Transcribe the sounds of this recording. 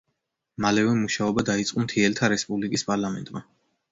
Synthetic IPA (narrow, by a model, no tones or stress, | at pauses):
malɛvɛmuʃaɔbad̪ait̪sʼqʼumt̪ʰiɛlt̪ʰaɾɛspʼublikʼispʼaɾlˠamɛ̰nt̪ʼma